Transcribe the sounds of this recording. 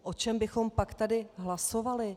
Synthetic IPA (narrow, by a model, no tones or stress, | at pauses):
ʔo̞t͡ʃɛmbɪxo̞mpakt̪adɪɦlaso̞valɪ